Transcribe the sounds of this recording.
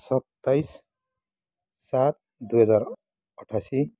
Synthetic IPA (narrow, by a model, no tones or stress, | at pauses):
sʌt̪ːajs | sat̪̚ | d̪uɦʌd͡zaɾ | ʌʈʰasi